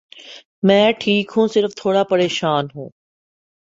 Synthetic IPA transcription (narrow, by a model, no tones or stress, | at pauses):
mɛ̃ːʈʰiːkɦũsɪɾəft̪ʰoːɽapɐɾeːʃaːnɦṵ̃ː